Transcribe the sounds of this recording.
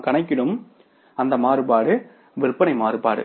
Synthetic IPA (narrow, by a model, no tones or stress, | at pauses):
kɐɳɐɪkːɪɽɯm | ɐnd̪ɐmaːɾɯpaːɽɯ | ʋɪrɯpːɐnɐɪmaːɾɯpaːɽɯ̰